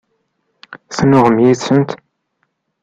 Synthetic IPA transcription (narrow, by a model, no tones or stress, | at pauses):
θnʊʁəmjiθsənt̪